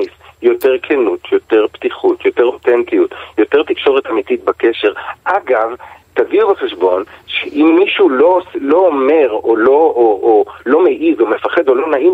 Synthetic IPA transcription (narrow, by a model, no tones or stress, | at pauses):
isjo̞teʁkʰenutʰjo̞t̪e̞ʁptiχutjo̞teʁot̪entijutjo̞teʁtikʃo̞ʁetamitit̚bakeʃeʁʔaɡavtaviubeχeʃbo̞nʃeʔimːiʃulolo̞ːme̞ʁolo̞ʔːlo̞meʔizo̞me̞faχe̞do̞lo̞naʔim